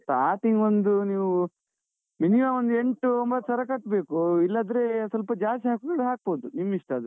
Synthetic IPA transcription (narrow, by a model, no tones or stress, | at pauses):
ʈ̪aːʈiŋɡond̪uniːʋu | minimaːond̪ue̞ɳʈuombɐt̪ːsɐɾɐkɐʈːbe̞ːkuilːaːd̪ɾeːsɐlpɐd͡ʒaːst̪iɦaːkuɡɐɽeɦaːk̚boːd̪unimːiʂʈɐːd̪u